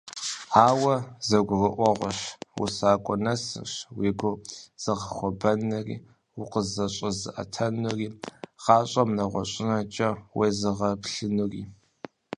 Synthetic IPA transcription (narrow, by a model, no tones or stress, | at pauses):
aːwɐzɐɡʷʊrəʔʷɔʁʷɔɕwṵsaːkʷʼɔnɐsɨ̰rɕweːɡʷʊz̥ɨʁɐχʷɔbɐnɐrḭː | ʊqəzɐɕʼɐzɨ̰ʔɐ̰tʰɐnuriːʁɑːɕʼɐmnɐʁʷɔɕʼɪnɐt͡ʃʼɐweːzɨʁɐpɬɨnuriː